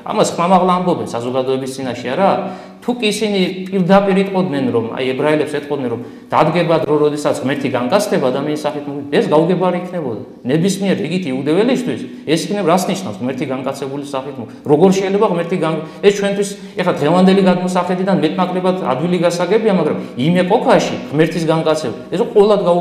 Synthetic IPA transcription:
a̰maskʰmamaʁlˠaːmbɔbɛnsazɔɡad̪ɔɛbist̪sʼinaʃɛaɾa | t̪ʰukʼiːsinipʼiɾd̪apʼiɾit̪ʼqʼɔd̪nɛnɾɔma̰jɛbɾaɛlɛpsɛt̪ʼqʼɔd̪nɛnɾɔm | d̪̥ad̪ɡɛbad̪ɾɔɾɔd̪ɛsat̪sʁmɛɾt̪ʰiɡaŋkʼat̪sʰt̪ɛbaːd̪amianisaχit̪ʰmɔt̪ɛsɡauɡɛbaɾiːkʰnɛbɔd̪a̰ | nɛbismiɛɾiɡit̪ʰiɛud̪ɛvɛlist̪ʰwis | ɛsikʰnɛɾasniʃna̰fsʁmɛɾt̪ʰiɡaŋkʼat̪sʰɛbulisaχit̪ʰmɔ | ɾɔɡɔɾʃɛjlɛbaʁmɛɾt̪ʰiɡaŋɛst͡ʃʰwɛnt̪ʰwis | ɛχlad̪ʁɛvand̪ɛliɡad̪mɔsaχɛd̪id̪anmɛt̪ʼnakʼlɛbad̪a̰d̪wiliɡasaɡɛbiamaɡɾamimɛkʼɔkʰaʃḭʁmɛɾt̪ʰisɡaŋkʼat̪sʰɛbaɛsɔqʼɔɛlˠad̪ɡa

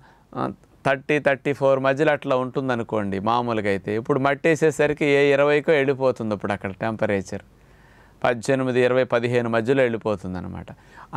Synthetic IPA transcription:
t̪ʰɐɾʈːit̪ʰɐɾʈːipʰoːɾmɐd͡ʒːɐlɐʈlaːuɳʈund̪ɐnuko̞ːɳɖimaːmuːlɐkɐjit̪e̞ːipːuɽumɐʈːeːseːsɐɾikieːiɾɐʋɐjkoːe̞ɭipoːt̪und̪ɐpːuɽɐkːɐɽɐʈampɐɾeːt͡ʃɐ̰ɾ | pɐd̪d͡ʒenumid̪iːɾɐʋɐjpɐd̪iɦe̞ːnumɐd͡ʒːɐloːeɭipoːt̪und̪ɐnɐ̰ma̰ːʈɐ

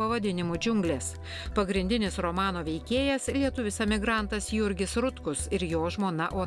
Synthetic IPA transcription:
ɐʋɐd̪ʲɪnʲɪmuːd͡ʒʲʊŋɡlʲeːs | pɐɡɾʲɪnʲd̪ʲɪnʲɪsɾoːmɑːnoːʋʲɛɪkʲeːjɛslʲiɛt̪ʊʋʲɪsɛmʲɪɡɾɐˑnt̪ɐsjʊɾʲɡʲɪsɾʊt̪kʊsɪɾjoːʒmoːnɐʔoː

